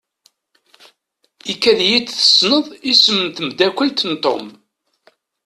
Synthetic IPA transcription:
ikːæðjit͡sːθə̥snəðˤisəmənt̪əmd̪ækʷəlt̪ənt̪ˤo̰m

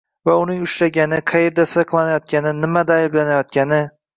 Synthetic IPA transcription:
vaʊnɪŋʊʃɾaɡʲanɪqʰɑjeɾd̪asɪɾqʰlˠanajɒt̪̚kʲʰanɪnɪmad̪aɪblanajɒt̪̚kʲanɪ

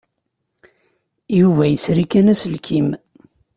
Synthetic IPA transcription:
juvæjəsɾikænæsəlkʰim

